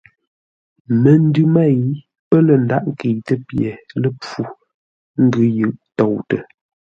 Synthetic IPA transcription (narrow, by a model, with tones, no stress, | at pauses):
mə˨n̩˦dʉ˦ma˦˨i˨˦ | pə˦lə˨n˨da̰˦ʔŋke˨tə˦pjɛ˨lə˦p͡fu˨ | ŋ̩˦ɡʉ˦jʉ˨ʔtɔ˨wtə˨